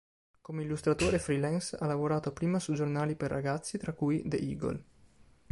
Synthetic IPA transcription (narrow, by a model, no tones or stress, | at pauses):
komeilːust̪ɾat̪oːɾefɾilɛnsa̰lːavoɾaːt̪oapɾiːmasud͡ʒornaːliperːa̰ɡat̪sːit̪ɾakujd̪ḛʔḭːɡo̰l